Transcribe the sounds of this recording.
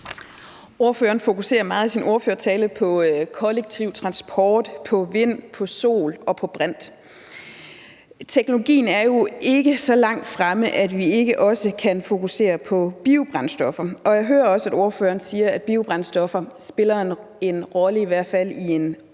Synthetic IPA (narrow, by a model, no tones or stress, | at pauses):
o̝ɐføːɐn̩fo̝kuse̝̰ːɐmɑ̈ːð̩ˠisinʔo̝ɐføːɐt͡sʰɛːlðpʰɒ̽kʰɒ̽leɡ̥̚t͡sʰiʊ̰t͡sʰʁɑ̈nsb̥ʰɒːd̥pʰɒ̽ʋe̝n̰pʰɒ̽so̝̰ːlɒ̽pʰɒ̽b̥ʁan̰d̥ | t͡sʰeɡ̥no̝lo̝ɡ̥ḭːn̩æɐjo̝e̝ɡ̥əsɒ̽lɑ̈ŋ̰d̥fʁaməʔæd̥ʋie̝ɡ̥əʔɒ̽səkʰænfo̝kʰuse̝̰ːɐpʰɒ̽b̥iʊb̥ʁansd̥ɒ̽fɐʔɒ̽jɑ̈ɪɦøːɐɒ̽səæd̥o̝ɐfø̰ːɐnsiːɐæd̥̚b̥iʊb̥ʁansd̥ɒ̽fɐsb̥e̝lɐ | e̝nʁɒ̽ləiʋæɐ̰fæl̰ie̝n